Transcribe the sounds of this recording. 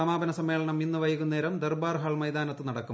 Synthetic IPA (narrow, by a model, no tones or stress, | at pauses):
ɐmaːbɐnɐsɐmːe̞ːɭɐɳɐminːɨʋɐjɐɣunːeːɾɐmd̪erbaːrɦaːɭmɐjd̪aːnɐt̪ːɨnɐɽɐkːu